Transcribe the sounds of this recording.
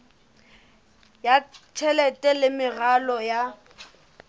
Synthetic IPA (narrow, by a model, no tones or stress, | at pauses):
jat͡ʃʰɛlɛtʼɛlɪmɪɣalɔja